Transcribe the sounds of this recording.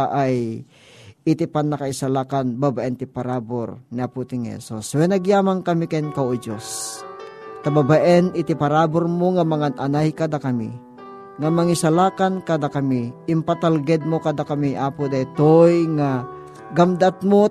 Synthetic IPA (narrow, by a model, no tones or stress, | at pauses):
ʔaj | ɪt̪ipanːakaɪsalaːkanbabaʔɛnt̪ipaɾaboɾnɪaput̪ɪŋhɛ̰suswɛnɐɡjaːmaŋkɐmikankawʔod͡ʒos | t̪ababaʔɛnɪt̪ipaɾaːboɾmoŋamaŋananajkad̪akɐmḭ | ŋamaŋɪsalaːkankad̪akɐmiʔɪmpat̪alɡɛd̪̚mokad̪akamiʔaːpod̪aɪt̪ojŋa | ɡamd̪at̪mo